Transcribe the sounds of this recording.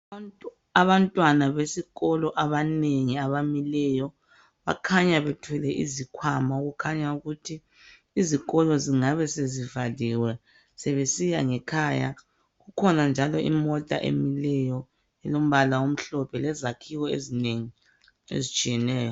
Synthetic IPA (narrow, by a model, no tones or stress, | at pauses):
aβantʼwanaβesiɣɔlɔʔaβaneŋiaβamilɛjɔ | βa̰kʰaɲaβetʰwɛlɛʔizikʰwamauɣukʰaɲauɣutʰiː | ziɣɔlɔziŋaβɛsezivaliwɛ | seβesijaŋɛkʰaja̰ | ɣukʰɔnand͡ʒʱalɔḭmɔtʼa̰ʔḛmilɛjɔ | ɛlom̩βalawom̩ɬɔpʰɛlɛzakʰiɣɔḛzineŋi | ḛzit͡ʃʼijɛnɛːjɔ